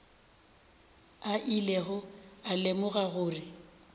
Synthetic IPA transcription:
aʔileɣʊalemʊɣaɣʊːrɪ

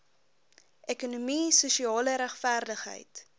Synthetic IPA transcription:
ʔɛkunumisuʃiɑːləɾæχfæːrdəχɦə̰jt

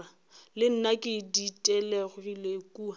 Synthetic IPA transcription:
a | lɪn̩nakʼɪditʼɛlɛɣwilekʼuːa

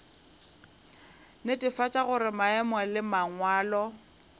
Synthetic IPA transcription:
netʼɪfat͡ʃʼaɣʊɾɪmaɛmɔlɪmaŋwaːlɔ

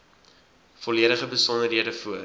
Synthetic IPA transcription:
fɔliəɾəχəbəsɔndərɦiəɾəfuə

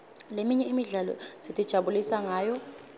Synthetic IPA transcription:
lemiɲɛimiɮalɔ̰z̥itʼid̥ʒ̥ʱaɓulisaŋaːjɔ

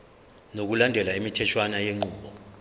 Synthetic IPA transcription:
nok̬ulandʱɛlaimitʰɛt͡ʃʰwanajeŋ͡ǃuːɓɔ

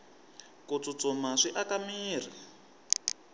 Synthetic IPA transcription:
kut͡sut͡sɔmaʂiʔakamiːr̤i

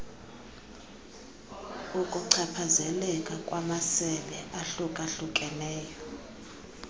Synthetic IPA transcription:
ukʼuǀʰɛpʰazɛlɛkʼakʼwamasɛlɛʔaɬukʼaɬukʼɛnɛːjɔ

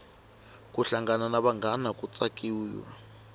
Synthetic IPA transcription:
k̬ʼuɬaŋɡananaɓaŋɡanak̬ʼut͡sʼakʼiːwa̰

